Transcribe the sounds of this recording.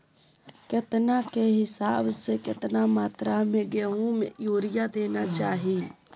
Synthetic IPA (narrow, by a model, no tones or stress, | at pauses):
kɪt̪nakeɦɪsaːbsekɪt̪namaːt̪ɾamẽɡeːɦũmẽjoːɾɪjad̪eːnat͡ʃaːɦiː